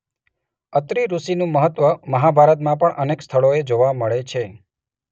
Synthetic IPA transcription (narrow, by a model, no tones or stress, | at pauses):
ət̪ɾiɾusinũməɦət̪ʋəməɦabʱaɾət̪mãpəɳʔənekst̪ʰəɭoed͡ʒoʋaməɭet͡ʃʰe